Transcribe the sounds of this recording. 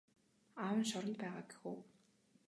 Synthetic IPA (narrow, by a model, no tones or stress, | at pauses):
awə̆nʃɔɾɞ̆nt̪pæːʁaːɡi̥xuː